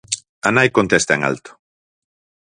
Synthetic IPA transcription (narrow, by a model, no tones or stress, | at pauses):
anajkont̪est̪aeŋa̰lt̪ʊ̥